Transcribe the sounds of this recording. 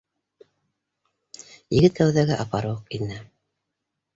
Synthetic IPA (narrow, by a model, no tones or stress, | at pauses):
jɘ̆ɡɘt̪kæwðæɡæʔɑpɑɾɤwɤqinːɘ